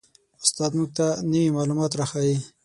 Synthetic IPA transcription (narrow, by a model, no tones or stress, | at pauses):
ʊst̪ɑd̪muɡ̚t̪anəwimɑlumɑt̪ɾaxawi